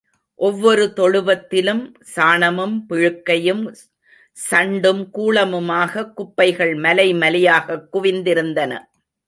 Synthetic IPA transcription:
ʔɔʋːɔɾɯt̪ɔɻɯʋɐt̪ːɪlɯm | saːɳɐmɯmpɪɻɯkːɐjɯm | sɐɳɖɯmkuːɭɐmɯmaːɣɐkːʊpːɐɪɣɐɭmɐlɐɪmɐlɪjaːɣɐkːʊʋɪnd̪ɪɾɯnd̪ɐnɐ̰

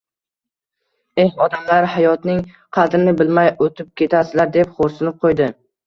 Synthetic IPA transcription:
e̞hɒd̪amlaɾhajɒt̪nɪŋ | qʰɑd̪ɾɪnɪbɪlmajot̪ʰɪp̚kʲʰe̞t̪ʰasɪlaɾd̪epχoɾsɪnɪp̚qʰojd̪ɪ

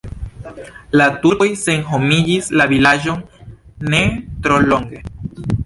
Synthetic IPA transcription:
latuɾojse̞nɦomid͡ʒislavilaʒo̞ŋne̞t̪ɾolo̞ŋɡe̞

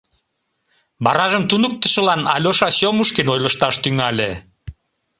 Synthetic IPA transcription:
bɑɾɑʒəmt̪unək̚t̪ə̥̆ʃə̆lɑnɑ̰lʲoʃɑɕomuʃkinojləʃt̪ɑʃt̪yŋɑlʲe

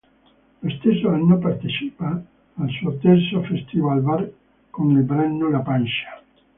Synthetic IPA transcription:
lost̪esːoanːopart̪et͡ʃipaː | lsuot̪ɛrsofɛst̪ivalvar | konilbɾɛnːolapanʃḁ

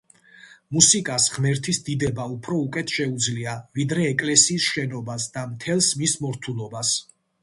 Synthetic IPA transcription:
musikʼasʁmɛɾt̪ʰisd̪id̪ɛbaupʰɾɔukʼɛt̪ʰʃɛud̪zliavid̪ɾɛːkʼlɛsiːsʃɛnɔbasd̪amt̪ʰɛlˠsmismɔɾt̪ʰulˠɔbas

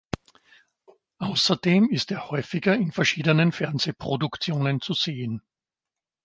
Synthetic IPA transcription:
ʔaʊsɐd̥eːmɪsteːɐhɔʏfɪɡɐɪnfɛɐʃiːdənənfɛɐnzeːpʁ̥odʊkt͡sjoːnənt͡suzeːən

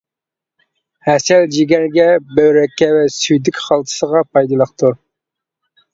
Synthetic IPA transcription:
hɛsɛld͡ʒiɡʲɛɾɡʲɛbøwɾɛkʲːɛwɛsyjd̪ɪkʲχɑlˠt̪ʰə̥səʁɑpʰɑjd̪ɨlˠəχqt̪ʰu

